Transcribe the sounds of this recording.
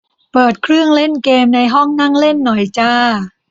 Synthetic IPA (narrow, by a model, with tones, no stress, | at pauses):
pɤː˨˩t̪̚kʰɾɯ˥˩əŋle˥˩nkeː˧mna˧jɦɔ˥˩ŋna˥˩ŋle˥˩nːɔ˨˩jt͡ɕaː˧˥˩